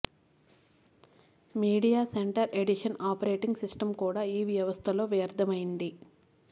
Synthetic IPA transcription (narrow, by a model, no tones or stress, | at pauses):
miːɽijaːseɳʈɐɾeɽiʂɐnaːpɐɾe̞ːʈiŋɡsisʈɐmkuːɽaːiːʋjɐʋɐst̪ʰɐlo̞ːʋjɐɾd̪ʱɐmɐjind̪i